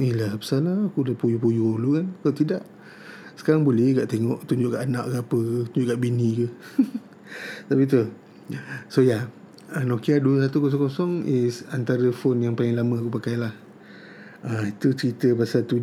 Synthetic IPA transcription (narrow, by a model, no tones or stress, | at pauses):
ilabə̥salaːkulapujupujolukankat̪idaʔ | sə̥kaɾaŋbolɛhɡaʔt̪eŋɔʔt̪uɲd͡ʒʊʔkaʔana̰ʔɡaapəkət̪uɲd͡ʒʊʔkaʔbinikə | t̪apit̪̬u | soja | anokiaduəsat̪ukos̬ɔŋkosɔŋesant̪aɾəfonjaŋpalɪŋlamə̃akupakajlah | ait̪ut͡ʃəɾit̪əbasat̪u